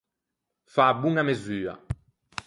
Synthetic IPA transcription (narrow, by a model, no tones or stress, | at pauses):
fabuŋamezyːa̰